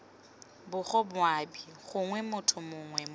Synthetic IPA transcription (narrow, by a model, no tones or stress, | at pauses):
bʊχɔbʊabiχʊŋwɛmʊtʰʊmʊŋwɛm